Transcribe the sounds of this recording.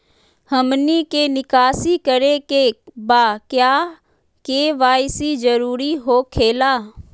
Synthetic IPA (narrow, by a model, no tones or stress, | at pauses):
həmniːkeːnɪkaːsikəɾekeːbaːkjaː | keːʋaːjsid͡ʒəɾuːɾiɦoːkʰeːlaː